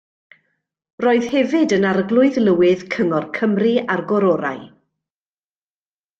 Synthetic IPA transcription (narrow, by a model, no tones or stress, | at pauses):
roːɨð̥hɛvɪdənaɾəɡlˠʊɨðlˠəwɪðkʰəŋɔrkʰəmriarɡɔɾɔɾa̰j